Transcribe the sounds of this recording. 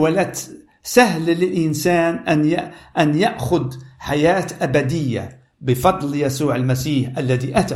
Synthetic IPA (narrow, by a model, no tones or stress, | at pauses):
walat̪ | saɦlɪlʔɪnsaːnʔanjaʔanjaʔxʊd̪ħajaːt̪ʔabad̪ɪjːa̰ | bɪfɑd̪ˤljasuːʕalmasiːħʔalːaðiʔat̪a